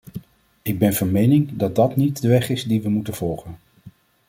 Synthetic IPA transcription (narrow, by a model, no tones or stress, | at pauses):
ɪɡ̚bɛnvɑnmejnɪŋdɑt̚dɑtnitdəʋɛχɪzdiʋəmutənv̥ɔlˠχən